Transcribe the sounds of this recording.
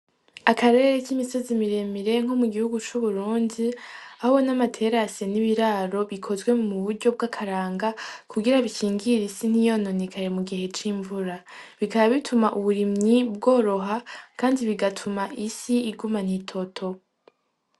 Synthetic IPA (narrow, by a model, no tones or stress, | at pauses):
akʰaɾe̞ɾekimiso̞zimiɾe̞miɾe̞ŋ̥homuɡihuɡut͡ʃuβuɾuːndiahoβonamatʰe̞ɾaseniβiɾaːɾo̞βikʰo̞zɡwe̞muβuɾɟo̞b̚ɡakʰaɾaːŋɡakʰuɡiɾaβicʰiːŋɡiɾisin̥ijo̞no̞nekʰaɾe̞muɡihe̞t͡ʃiɱvuɾaβikaβaβitʰumaʔuβuɾimɲib̚ɡo̞ːɾo̞ɦakʰaːndiβiɡatʰumaʔisiːɡuman̥itʰo̞tʰo̞